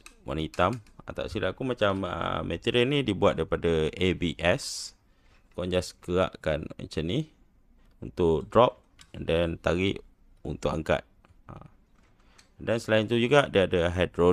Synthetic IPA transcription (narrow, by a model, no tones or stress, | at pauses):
wa̰nit̪ama̰t̪a̰wsilakumat͡ʃamə̰mːet̪iɾəlnĩdibua̰t̪̚daɾipadaebiʔɛs | kɔɲd͡ʒaskəɣa̰ʔkana̰t͡ʃəni | ṵnt̪ʊʔdɾɔp̚ | dant̪aɣiʔ | ṵnt̪ʊkaŋka̰t̪̚ | a̰ | dansəlaint̪ud͡ʒuɡaʔdiadaɦajdɾo